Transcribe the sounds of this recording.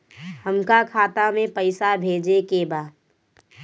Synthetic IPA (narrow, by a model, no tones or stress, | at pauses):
həmkakʰaːt̪amẽpɐɪsabʱeːd͡ʒekebaːd̪